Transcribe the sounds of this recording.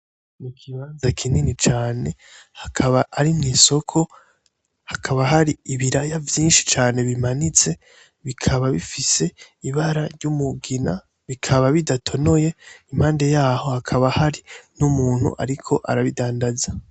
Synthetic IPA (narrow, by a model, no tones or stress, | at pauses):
nikʰiβaːnzakʰininit͡ʃaːne̞hakʰaβaʔːɾimŋiːso̞kʰo̞ | hakʰaβahaɾiiβiɾajavjiːnʃi̥t͡ʃaːne̞βimanit͡se̞ | βikʰaβaβifise̞ | iβaɾaɾɟumuɡina | βikʰaβaβidatʰo̞no̞je̞im̥haːnde̞jaːho̞hakʰaβahaɾinumuːn̥hṵʔa̰ɾikʰo̞ʔa̰ɾaβidaːndaza